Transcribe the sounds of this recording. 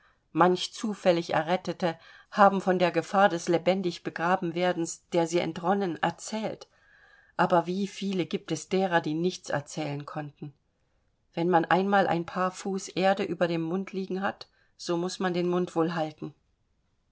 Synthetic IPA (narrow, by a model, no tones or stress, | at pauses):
mançt͡suːfɛlɪçɛ̰ɐʁɛtətəhaːbm̩fɔndeːɐɡəfaːɐdɛslebɛndɪçb̥əɡʁaːbm̩veːɐdn̩sd̥eːɐziːɛ̰ntʁɔnənɛ̰ɐt͡sɛːlt | ʔaːbɐviːfiːləɡiːp̚tɛsd̥eːʁɐdiːnɪçt͡sɛ̰ɐt͡sɛːlənkʰɔntn̩ | vɛnmanʔa̰ɪnmaːlʔa̰ɪnpʰaːɐfuːsʔeːɐdəʔyːbɐɾeːmmʊntʰliːɡŋ̩ɦat | z̥oːmʊsmandeːnmʊntv̥oːlɦaltn̩